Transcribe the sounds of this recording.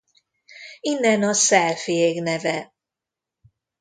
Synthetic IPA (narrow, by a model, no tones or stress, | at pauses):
inːɛnɒsɛlfijeɡnɛvɛ